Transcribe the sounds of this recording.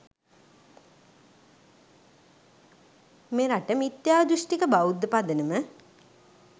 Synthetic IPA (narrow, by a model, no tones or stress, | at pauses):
meɾaʈəmit̪jaːd̪uʂʈikəbaud̪ːəpad̪ənəmə